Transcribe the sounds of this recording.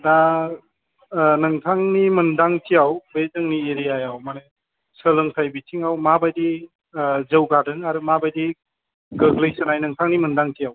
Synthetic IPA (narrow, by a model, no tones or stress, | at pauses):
da | nɐŋtʰaŋnimɯndaŋtʰijawbezɯŋnieɾijajawmane | səlɯŋtʰajbitʰiŋawmabajdi | zəwɡadɯŋaɾɯmabajdi | ɡəɡlɯjsɯnajnɐŋtʰaŋnimɯndaŋtʰijaw